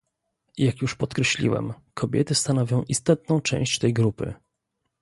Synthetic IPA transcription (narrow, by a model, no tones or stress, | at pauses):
jakjuʂpɔt̪kɾɛɕlʲḭwɛ̰m | kʰɔbʲɛ̰t̪ɘst̪anɔvʲjɔ̃w̃ʔist̪ɔt̪̚nɔ̃w̃t͡ʂɛ̰̃w̃ɕt͡ɕt̪ɛjɡɾupɘ̰